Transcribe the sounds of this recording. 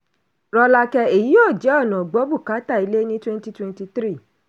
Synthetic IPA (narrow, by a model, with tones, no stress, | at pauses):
ɾɔ˧la˧kɛ˧e˨ji˨˦o˦˨d͡ʒɛ˨˦ɔ˦˨nã˨ɡ͡bo˨˦bu˦˨ka˨˦ta˦˨i˨˧le˦nĩ˦twɛ̃˦n˦ti˦twɛ̃˧nti˧t̪ɾi˦˨